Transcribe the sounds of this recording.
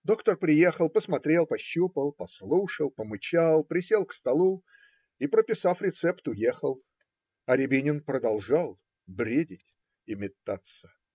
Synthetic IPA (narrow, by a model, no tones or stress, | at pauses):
d̪o̞kt̪ərpɾʲɪje̞xəlˠpəsmɐt̪ɾʲe̞lˠpɐɕːupəlˠpɐslˠuʂəlˠpəmɨt͡ɕalˠpɾʲɪsʲe̞lˠkst̪ɐlˠu | ipɾəpʲɪsafɾʲɪt̪sɛpt̪ʊjexəlˠ | ɐɾʲɪbʲɪnʲɪnpɾəd̪ɐlˠʐalˠ | bɾʲedʲɪtʲ | ɪmʲɪt̪ːat̪sə